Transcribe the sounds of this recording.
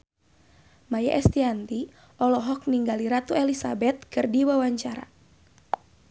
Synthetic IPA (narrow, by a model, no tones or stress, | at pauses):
maja̰ʔɛst̪iant̪i | ʔɔlɔɦɔk̚niŋɡaliɾat̪uɛlisa̰bɛt̪̚kɨrdiwawaɲt͡ʃaɾa̰